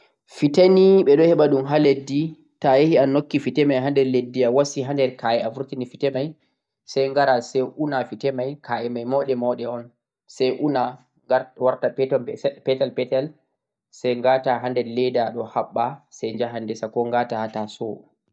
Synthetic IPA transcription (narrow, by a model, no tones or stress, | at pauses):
fitaniɓɛɗɔhɛɓaɗumɦaledːi | tajehianokːifitɛmajɦandɛɾledːiawasiɦandɛɾkajɛafuɾtinifitɛmaj | sajŋɡaɾasɛjʔunafitɛmajkʰaʔɛmajmɔɗɛmɔɗɛɔn | sɛjʔuna | ɡawaɾtapɛtɔmbɛpɛtalpɛtal | sɛjŋɡataɦandɛɾlɛdaɗɔhaɓːasɛjɲd͡ʒaɦandɛsakɔŋɡaːtahatasɔ